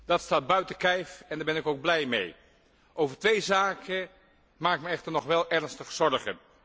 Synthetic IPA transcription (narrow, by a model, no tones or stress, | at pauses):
d̥ɑtstaːd̚bœɥtəkɛjfɛndaːbɪnɪkowɡ̚blɛjmḛj | ʔowvərtʋejzaːkʰə | maːkɪkməɛxtərnɔxʋɛlˠʔɛrnstəxsɔrɣən